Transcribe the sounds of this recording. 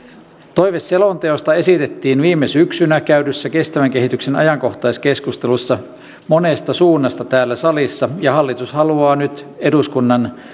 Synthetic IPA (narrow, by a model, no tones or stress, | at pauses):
t̪o̞jʋesːelont̪eost̪ɑe̞sit̪et̪ːiːnʋiːmːesyksynækæydysːæke̞st̪æʋæŋke̞ɦit̪yksenɑ̰jɑŋko̞ht̪ɑjske̞skust̪e̞lusːɑ | monest̪ɑsuːnːɑst̪ɑt̪æːlːæsɑlisːɑjɑhɑlːit̪ushɑluɑːnyt̪eduskunːɑn